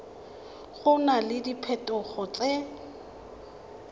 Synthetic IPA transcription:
χʊnalɪdipʰɛtʼʊχɔt͡sʼɛ

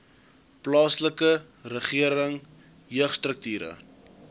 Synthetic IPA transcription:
plɑːsləkə | rəχiəɾəŋ | jøəχstrək̚tyːɾə̰

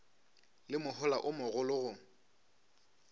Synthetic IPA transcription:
lɪmʊhʊlaʔʊmʊɣʊlʊɣʊ

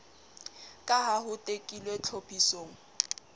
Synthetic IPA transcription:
kʼaɦaɦʊtʼekʼilwet͡ɬʰopʰisoːŋ̩

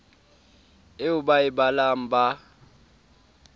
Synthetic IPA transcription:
eubaɪbalam̩ba

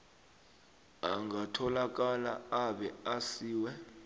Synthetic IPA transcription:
a̰ŋɡʱatʰɔlak̬ala̰aɓɛasiːwɛ

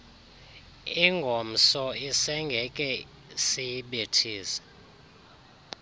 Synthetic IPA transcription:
iŋɡʱom̩sɔisɛŋɡʱɛkʼɛ | siɓetʰiːsɛ̥

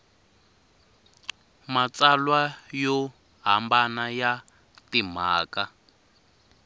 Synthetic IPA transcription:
mat͡salwajɔ | ɦambanaja | tim̤aːka

